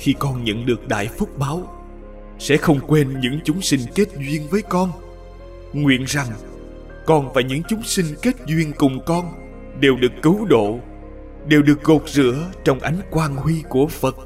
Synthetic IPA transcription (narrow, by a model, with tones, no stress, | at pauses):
xi˧kɔ˧nɲə̰˧˨nɗɨ˨˩ək̚ɗa̰ː˧˨jfʊ˦˥k͡p̚ɓaː˨˦w | sɛ̰˧˥xə˧wŋ͡mkwe˧nɲɨ̰˧˥ŋt͡ɕʊ˨˦ŋ͡msï˧ŋ̟ke˦˥t̚zwi˧ənvəː˨˦jkɔ˧n | ŋwḭ˧˨ənza˨˩ŋ | kɔ˧nvaː˨˩jɲɨ̰˧˥ŋt͡ɕʊ˨˦ŋ͡msï˧ŋ̟ke˦˥t̚zwi˧ənkʊ˨˩ŋ͡mkɔ˧n | ɗe˨˩wɗɨ˨˩əkːɨ˨˦wɗo̰˧˨ | ɗe˨˩wɗɨ˨˩ək̚ɣo˨˩t̚zɨ̰˧˥ət͡ɕɔ˧wŋ͡mʔa˨˦jŋ̟kwaː˧nhwi˧ku˧˩əfə˨˩t̚